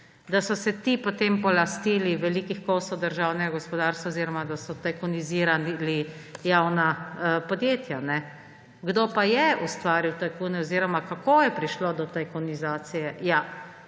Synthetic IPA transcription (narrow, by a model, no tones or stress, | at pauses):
d̪asɔsɛt̪ipot̪empɔlast̪iːliʋɛlikixkoːsɔwd̪əɾʒawnɛɡaɡɔspɔd̪aɾst̪ʋaoziːɾɔmad̪asɔt̪ajkɔniziɾanli | jawnapɔd̪jeːt̪janɛ | ɡd̪oːpajɛust̪ʋaːɾiwt̪ajkunɛɔziːɾɔmakakojɛpɾiʃlod̪ɔt̪ajkɔnizaːt̪sijɛja